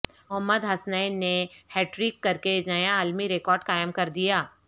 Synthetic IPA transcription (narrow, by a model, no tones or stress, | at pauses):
ʊɦmːəd̪ɦɐsnəɪneheːʈɾiːkːɐɾkenɐjaaːlmiɾekɔːɾɖkaːjəmkɐɾd̪ijaː